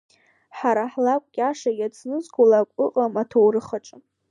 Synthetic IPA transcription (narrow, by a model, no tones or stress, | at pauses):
ħaɾaħlakʷʼkʲʼaʂajat͡sʰnɨzkʰulakʷʼʊqʼamatʰowrɨχaʈ͡ʂʼɨ